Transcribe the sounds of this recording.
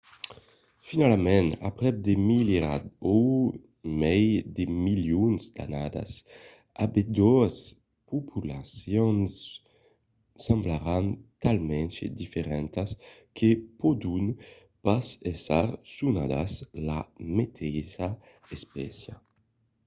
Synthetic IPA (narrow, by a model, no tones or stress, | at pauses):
finalamɛ̃na̰pɾɛb̚d̪emileɾa̰d̪o | mɛjd̪emiljunzd̪a̰nad̪a̰s | abed̪ɔas | pupʰulasjɔns | ãmblaɾant̪almɛ̃nt͡ʃḛd̪ifeɾɛnt̪askʰepod̪un | pasesaɾsunad̪a̰slamet̪ʰɛza | espɛ̰sja